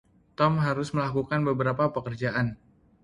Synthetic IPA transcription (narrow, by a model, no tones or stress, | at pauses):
t̪ɔmɦaɾʊsməlakukanbəbəɾapapəkərd͡ʒaʔan